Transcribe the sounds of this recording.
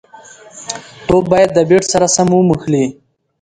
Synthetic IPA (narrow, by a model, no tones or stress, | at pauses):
t̪obɑjad̪̚ːəbeʈsaɾasamumuxli